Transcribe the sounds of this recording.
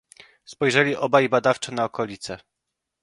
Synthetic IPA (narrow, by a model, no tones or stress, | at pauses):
spɔjʐɛlʲiʔɔbaibad̪aft͡ʂɛnaɔkɔlʲit̪sɛ